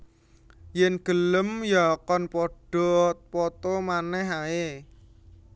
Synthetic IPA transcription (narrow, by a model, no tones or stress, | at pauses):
jɛnɡ̥ə̤ləmjakɔnpɔɖ̥ɔ̤t̪pɔt̪ɔmanɛɦae